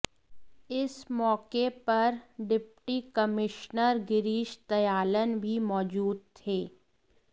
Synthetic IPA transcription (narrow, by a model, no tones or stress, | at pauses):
ɪsmɔːkepɐɾɖɪpʈikəmɪʃnəɾɡɪɾiːʃt̪ɐjaːlənbʱimɔːd͡ʒuːd̪̚t̪ʰeː